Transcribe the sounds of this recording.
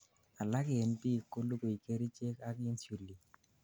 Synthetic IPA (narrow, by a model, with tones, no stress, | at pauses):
a˨la˦kɪ˨e˨npi˦˨kːo˦lu˦ko˨i˨ke˦ɾi˦t͡ʃe˦ka˦ɡe˦nsu˨lːi˨